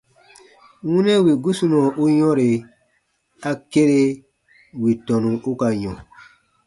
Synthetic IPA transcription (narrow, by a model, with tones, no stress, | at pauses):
wũ˦nɛ̃˦wi˨ɡu˦su˦nɔ̃˨ʔu˦jɔ̃˦ɾe˨ | a˧ke˦ɾe˦ | wi˨tɔ̃˨nũ˨u˦ka˧jɔ̃˨